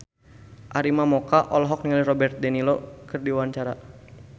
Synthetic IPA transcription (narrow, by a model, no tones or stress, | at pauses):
ʔaɾimamɔkaʔɔlɔɦɔk̚niŋalihrɔbɛrt̪̚danilokɨrdiwaɲt͡ʃaɾa